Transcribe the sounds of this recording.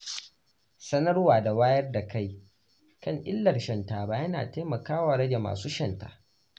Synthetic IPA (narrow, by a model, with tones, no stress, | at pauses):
sɐ˦nɐ˦rwaː˨da˨waː˦jɐ˦rda˨ka˦˨j | kɐ˦ŋʔɪ̰˦lːɐ˨rʃɐ˨ntaː˨baː˦jɐ˦na̰ː˨teː˦mɐ˨kaː˦waː˨ɽɐ˦d͡ʒe˨ma̰ː˨suː˦ʃɐ˨nta̰ː˨ʔ